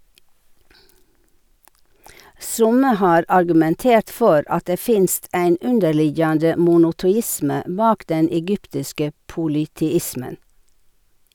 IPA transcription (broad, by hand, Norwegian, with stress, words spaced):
ˈsʊmə ˈhɑːɾ ɑɾɡʉmɛnˈteːɾt ˈfɔɾ ˈɑt ˈdeː ˈfɪnst ˈæɪn ˈʉndəɾˌlɪjɑndə mʊnʊtʊˈɪsmə ˈbɑːk ˈdɛn ɛˈɡʏptɪskə puːlʏtɛˈɪsmən